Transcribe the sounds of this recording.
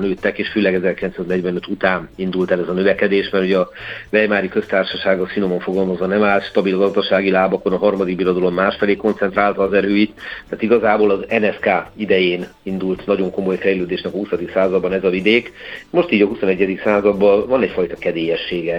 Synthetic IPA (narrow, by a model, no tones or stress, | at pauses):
nøːt̪ːɛkeːʃføːlɛɡɛzɛrkilɛnsaːznɛɟvɛnøt̪ut̪aːnind̪ult̪ɛlɛzɒnøvɛkɛd̪eːʃmɛrhuɟɛɒvɛjmaːɾikø̞st̪aːrʃɒʃaːɡɒsinomɒɱfo̞ɡɒlmɒzʋɒnɛmaːlt̪ʃt̪ɒbilɡɒzd̪ɒʃaːɡilaːbɒko̞nɒɦɒrmɒd̪ik̚bilod̪ɒlo̞mːaːʃfɛleːko̞nt̪sɛnt̪raːlt̪ɒːzɛɾøːit̪t̪ːaːt̪iɡɒzaːboːlɒzɛnɛskaːid̪ɛjeːnind̪ult̪nɒɟo̞ŋko̞mo̞jfɛjløːd̪eːʃnɛkɒhusɒd̪iksaːzɒd̪bɒnɛzɒvid̪eːkmo̞ʃt̪iːɟɒɦusonɛɟːɛd̪iksaːzɒd̪bːɒvɒnɛcfɒjt̪ɒkɛd̪eːjɛʃːeːɡɛ